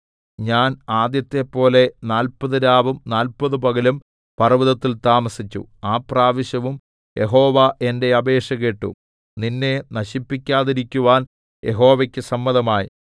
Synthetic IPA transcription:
ɲaːnaːd̪jɐt̪ːe̞pːo̞ːle̞naːlpɐðɨɾaːbɐmnaːlpɐðupɐɣɐlum | pɐrɐʋiðɐt̪ːilt̪aːmɐsit͡ɕːṵaːpraːʋɐɕjɐʋum | jʔe̞ɦo̞ːʋaʔe̞nde̞ɐbe̞ːʂɐɣeʈːṵ | ninːenɐɕipːikʲːaːðiɾikʲːuʋaːn | jʔe̞̰ɦo̞ːʋɐkʲːɨsɐmːɐðɐmaːjḭ

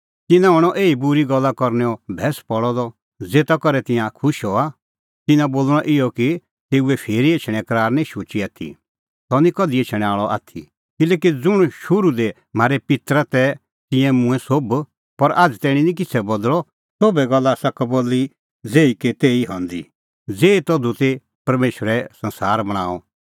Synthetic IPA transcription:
t̪ɪnãɦɔɽ̃ɔʔeːibuɾiɡɔlːakɔɾnɛɔbʱɛːspɔɽɔd̪ɔ | d͡zeːt̪akɔɾɛt̪ɪ̃jãkʰʊʃɦɔa | t̪ɪnãboːlɽ̃ɔ̃ʔɪɔki | t̪eːuɛpʰeːɾieːt͡ʃʰɽ̃ɛ̃kɐɾaːɾnɛ̃iʃoːt͡ʃiaːt̪ʰḭ | sɔnĩkɔd̪iet͡ʃʰɽ̃aːɭɔʔa̰ːt̪ʰi | kɪlɛːkid͡zʊɽ̃ʃʊɾud̪ɛ | m̤aːɾɛpɪt̪ɾat̪ɛ | t̪ɪ̃jɛ̃mʊ̃ɛ̃sob | pɐɾaːd͡zt̪ɛːɽ̃inĩk̬ɪt͡sʰɛbɔd̪ɭɔ | sobɛɡɐlːasɐkboːlːi | d͡zeːiket̪eːiɦɔ̃nd̪ḭ | d͡zeːit̪ɔd̪ut̪e | pɐɾmeːʃəɾɛsɐ̃nsaːɾbɐɽ̃ãːɔ

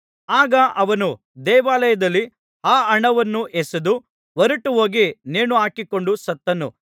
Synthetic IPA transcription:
aːɡɐʔɐʋɐnu | d̪ɛːʋaːlɐjɐd̪ɐlːi | haːɐɳɐʋɐnːuʔesɐd̪u | ʋɐɾuʈuɦo̞ːɡineːnuaːkiko̞ɳɖusɐt̪ːɐnu

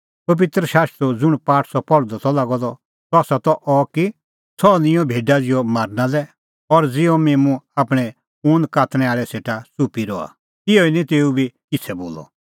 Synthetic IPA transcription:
pɐbɪt̪ɾəʃaːst̪ɾud͡zʊɽ̃paːʈʰsɔpɔɽd̪ɔt̪ɔlaɡɔd̪ɔ | t̪ɔːsat̪ɔʔɔki | sʰɔnɪ̃jɔ̃bʱeːɖad͡zɪjɔmaːɾnãlɛ | ɔɾd͡zɪɔmeːmũaːpɽ̃ɛ | ũːnd̪kaːt̪ʰɽ̃ɛ̃aːɭɛseːʈasupiɾɔa̰ | ɪjɔinĩt̪eːubʱikɪt͡sʰɛboːlɔ̰

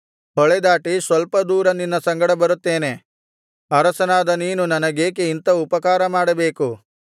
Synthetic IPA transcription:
ɔɭed̪aːʈisʋɐlpɐd̪uːɾɐnːinːɐsɐŋɡɐɽɐbɐɾut̪ːe̞ːne̞ | ɐɾɐsɐnaːd̪ɐniːnunɐnɐɡeːkeint̪ɐupɐkaːɾɐmaːɽɐbe̞ːku

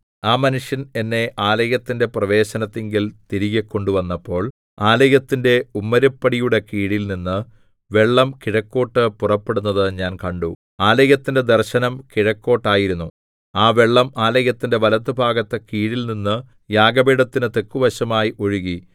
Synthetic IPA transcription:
aːmɐnuʂjɐne̞nːe̞ʔaːlɐjɐt̪ːinde̞prɐʋe̞ːɕɐnɐt̪ːeŋɡilt̪iɾiɣɐkːo̞ɳɖuʋɐnːɐpːo̞ːɭ | aːlɐjɐt̪ːinde̞umːɐɾɐpːɐɽijuɽe̞kiːɽilninːɨ | ʋe̞ɭːɐmkiɻɐkːo̞ːʈːɨpurɐpːe̞ɽunːɐðɨɲaːnkɐɳɖu | aːlɐjɐt̪ːinde̞d̪erɕɐnɐmkiɻɐkːo̞ːʈːaːjiɾunːu | aːʋe̞ɭːɐmaːlɐɣɐt̪ːinde̞ʋɐlɐt̪ːɨbʱaːɡɐt̪ːɨkiːɽilninːɨ | jaːɡɐbiɽɐt̪ːinɨt̪e̞kːuʋɐɕɐmaːjiʔo̞ɻuɣi

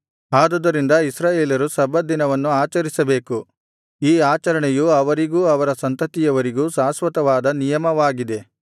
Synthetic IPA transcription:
aːd̪ud̪ɐɾind̪ɐisɾaːjeːljɐɾusɐbʱɐd̪inɐʋɐnːuaːt͡ʃɐɾisɐbe̞ːku | iːaːt͡ʃɐɾɐɳɛjuɐʋɐɾiɡuːɐʋɐɾɐsɐnt̪ɐt̪ijɐʋɐɾiɡuːsaːsʋɐt̪ɐʋaːd̪ɐnijɐmɐʋaːɡid̪e̞

